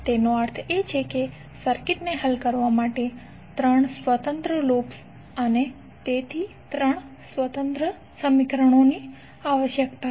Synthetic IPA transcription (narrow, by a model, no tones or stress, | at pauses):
t̪enoəɾt̪ʰet͡ʃʰeke | səɾkiʈneɦəlkəɾʋamaʈe | t̪ɾəɳ̃sʋət̪ə̃nt̪ɾəlops | əne | t̪et̪ʰi | t̪ɾəɳ̃ | sʋət̪ənt̪ɾə | səmikɾəɳ̃oni | aʋəʃjəkt̪a